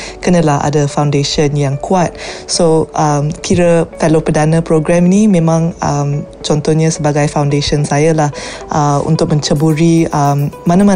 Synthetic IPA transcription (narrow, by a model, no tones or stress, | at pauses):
kənə̃laha̰dəfawndeʃənjaŋkʰuat̪̚soʔəmkʰiɾəfɛlopədanə̃pɾoɡɾɛmnimẽmãŋəm | t͡ʃɔnt̪ɔhɲasəbaɡajfawndeʃənsajalah | ʔəṵnt̪ʊk̚mə̃ɲt͡ʃəbuɾiəmːãnama